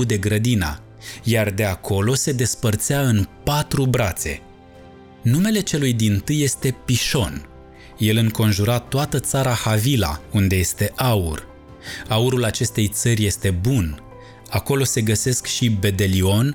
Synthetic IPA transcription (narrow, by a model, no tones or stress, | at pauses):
ud̪e̞ɡɾəd̪ina̰ | jard̪e̞akʰo̞lo̞se̞d̪e̞spərt̪sɪaɨnpat̪ɾubɾat̪se̞̰ | nume̞le̞t͡ʃe̞lujd̪int̪ɨjːe̞st̪e̞piʃo̞n | je̞lɨŋko̞nʒuɾat̪oat̪ət̪saɾahavila̰und̪e̞je̞st̪e̞ʔaur | auɾulat͡ʃe̞st̪e̞jt̪sərʲje̞st̪e̞bun | ako̞lo̞se̞ɡəse̞skʃibe̞d̪e̞lio̞n